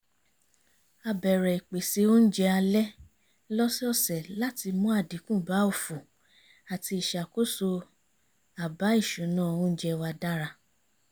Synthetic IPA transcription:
a˧bɛ˨ɾɛ˨i˨k͡pe˨si˨˧˦o˦n̩˦d͡ʒɛ˧a˧lɛ˦ | lɔ˦si˦ɔ˦˨sɛ˨la˦ti˧mũ˦a˦˨di˨˦kũ˦˨ba˨˦o˦˨fu˨ | a˨ti˧i˨ʃa˨ko˦so˧ | a˨ba˨˦i˦˨ʃũ˨˦nãː˦˨õ˦n̩˦d͡ʒɛ˧wa˧da˦ɾa˧

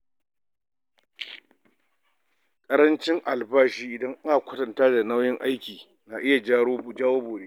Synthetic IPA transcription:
kʼɐ˦ɾɐ˦nt͡ʃɪ˦ŋʔa˨lbaː˦ʃiː˦ʔɪ˨dɐ˦ŋʔa˦na˨kʷʊ˦tɐ˨ntaː˦da˨na˦wjɪ˦ŋʔa˦jkʲiː˨ | naː˨ʔɪ˦ja˨d͡ʒaː˦woː˦boː˨ɽeː˦

